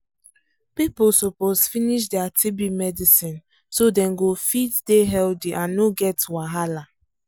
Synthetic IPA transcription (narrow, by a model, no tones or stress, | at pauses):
pipʊlsɔposfiniʃ̬dɛatʰibimɛdisĩn | sodɛ̃nɡofitdeɦɛldiʔãnːoɡɛtwaɦala